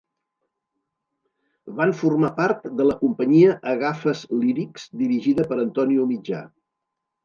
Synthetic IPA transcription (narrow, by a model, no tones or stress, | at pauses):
βaɱfurmapaɾt̪d̪ələkumpəɲiəʔəɣafəzliɾikz̥d̪iɾiʒiðəpəɾənt̪ɔniumid͡ʒa̰